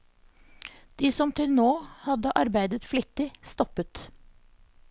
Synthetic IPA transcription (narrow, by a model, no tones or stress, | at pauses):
d̪̥iːsɔmt̪ʰɪlnoːhɑd̪əʔɑɾbæɪd̪ət̪flɪt̪ɪst̪ɔpət̪